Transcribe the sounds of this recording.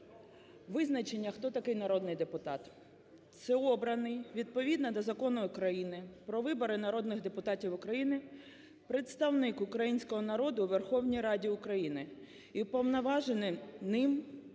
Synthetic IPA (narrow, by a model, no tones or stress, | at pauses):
ʋɪznɐt͡ʃenʲːɐxt̪ɔt̪ɐkɪjnɐɾɔd̪nɪjd̪epʊt̪ɑt̪ | t̪sɛɔbɾɐnɪjʋʲid̪̚pɔʋʲid̪nɐd̪ɐzɐkɔnʊʊkɾɐjinɪpɾɔʋɪbɔɾɪnɐɾɔd̪nɪɣd̪epʊt̪ɑtʲiwʊkɾɐjinɪ | pɾet̪st̪ɐwnɪkʊkɾɐjinʲsʲkɔɦɔnɐɾɔd̪ʊʋerxɔwnʲijɾɑdʲiʊkɾɐjinɪ | ipɔwnɐʋɑʒenɪnɪm